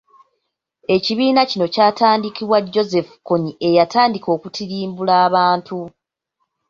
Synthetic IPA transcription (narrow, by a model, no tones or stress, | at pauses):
e̞ciβiːnacino̞caːtaːndikiβwaɟo̞ze̞fu̥koɲiʔe̞jataːndiko̞ːkutʰiɾiːmbulaːβaːntu